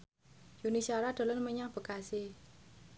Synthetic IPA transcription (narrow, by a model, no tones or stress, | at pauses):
junisaɾad̪̥ɔ̤lənməɲaŋb̥ə̤kase